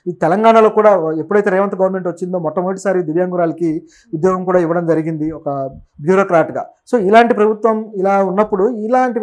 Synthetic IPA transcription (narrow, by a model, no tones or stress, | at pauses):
it̪ɛlɐŋɡaːɳɐlo̞ːkuːɽaːepːuɽɐjt̪eɾɛːʋɐnt̪ɐɡɐʋɐɾme̞ɳʈʋɐt͡ʃːind̪o̞ːmɔt̪ːɐmuʈisaːɾid̪uʋjaːŋɡuɾaːlɐki | ud̪jɔːɡɐmkuːɽaːiʋɐɽɐmd͡ʒɐɾiɡind̪iɔkɐbjuːɾoːkɾaːɾʈɡa̰ːso̞ːilaːɳʈipɾɐbʱut̪ʋɐmilaːunːɐpːuɽuilaːɳʈi